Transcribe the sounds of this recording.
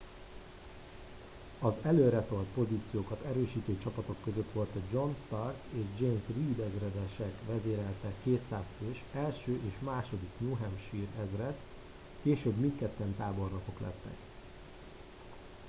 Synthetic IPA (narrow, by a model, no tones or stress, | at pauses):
ɒzɛløːɾɛt̪o̞lt̪̚po̞ziːt̪sijoːkɒt̪ɛɾøːʃiːt̪eːt͡ʃɒpɒt̪o̞kːøzøt̪ʋo̞lt̪ɒd͡ʒo̞nʃt̪ɒrkeːʒd͡ʒeːmsriːd̪ɛzrɛd̪ɛʃɛkʋɛzeːɾɛlt̪ɛkeːt̪saːsføːʃɛlʃøːʔeːʃmaːʃo̞d̪iknuːɦɛmʃiːrɛzrɛt̪ | keːʃøːbmint̪kɛt̪ːɛnt̪aːbo̞rnoko̞klɛ̰t̪ːɛ̰k